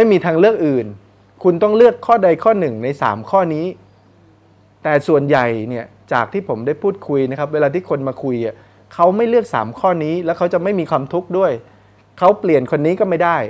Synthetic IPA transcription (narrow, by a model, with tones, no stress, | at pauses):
ma˥˩jmiː˧t̪ʰaː˧ŋlɯ˥˩ək̚ʔɯː˨˩n | kʰu˧nt̪ɔ˥˩ŋlɯ˥˩əkʰːɔː˥˩da˧jkʰɔː˥˩nɯ˨˩ŋna˧jsa̰ː˩˦mkʰɔː˥˩niː˦˥ | t̪ɛː˨˩su˨˩ənja˨˩jni˥˩ɐt͡ɕaː˨˩k̚t̪ʰiː˥˩pʰo˩˦mdaː˥˩jpʰuː˥˩t̪̚kʰu˧jna˦˥kʰa˦˥p̚weː˧laː˧t̪ʰiː˥˩kʰo˧nmaː˧kʰu˧jʔa˨˩ | kʰa˦˥wma˥˩jlɯ˥˩ək̚sa̰ː˩˦mkʰɔː˥˩niː˦˥lɛː˦˥wkʰa˦˥wt͡ɕa˨˩ma˥˩jmiː˧kʰwaː˧mt̪ʰu˦˥k̚du˥˩əj | kʰa˦˥wpli˨˩ənkʰo˧nːiː˦˥kɔː˥˩ma˥˩jdaː˥˩j